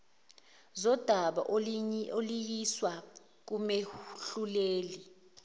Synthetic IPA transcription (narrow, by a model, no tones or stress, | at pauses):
zɔd̥ʱaɓa̰ʔoolijiswa | k̬umeɬuleːli